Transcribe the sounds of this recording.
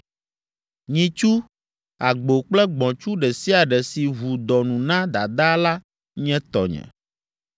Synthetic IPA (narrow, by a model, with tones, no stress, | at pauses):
ɲĩ˨t͡ʃu˦ | a˨ɡ͡bo˨k͡plɛ˦ɡ͡bɔ̃˨t͡ʃu˦ɖɛ˨si˦a˨ɖɛ˨si˨βu˨d̪ɔ˨nũ˨nã˦d̪a˨d̪a˦la˦ | ɲɛ̃˦t̪ɔ̰˨ɲɛ̰̃˨